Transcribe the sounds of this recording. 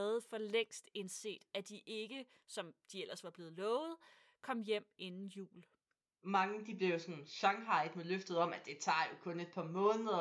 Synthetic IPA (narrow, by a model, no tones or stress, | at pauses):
ð̩ˠfɒ̽leŋ̰sd̥e̝nse̝̰ːd̥æd̥iʔe̝ɡ̥ə | sɒ̽md̥iel̰ɐsʋɑ̈b̥le̝ːð̞̩ˠlɔːʊð̞̩ˠ | kʰɒ̽m̰jem̰e̝nn̩jṵːl | mɑ̈ŋəd̥ib̥le̝ʊsɒnɕɑ̈ŋɦɑ̈ɪd̥meløfd̥ð̩ˠɒ̽m̰æd̥e̝t͡sʰɑ̰̈ːjo̝kʰɔ̽ne̝d̥̚pʰɑ̈mɔ̽ːnəðˠɐ